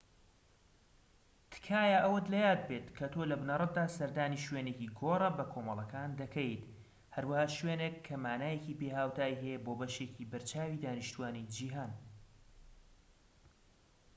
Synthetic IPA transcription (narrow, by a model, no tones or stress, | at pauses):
t̪ʰɨ̥kʰaːjaʔɐwɐd̪lɐjaːd̪̚beːt̪kʰɐt̪ʰoːlɐbnɐrˤɨt̪̚d̪aːsɐɾd̪aːniʃweːneːciɡoːrˤɐbɐkʰoːmɐlˠɐkʰaːnd̪ɐkʰɛjt̪ | hɐɾwɐhaːʃweːnekʰːɐmaːnaːjeciːpeːhaːwt̪ʰaːjɦɛjɛboːbɐʃeːciːbɐɾt͡ʃaːwiːd̪aːnɨʃt̪uwaːnid͡ʒiːɦaːn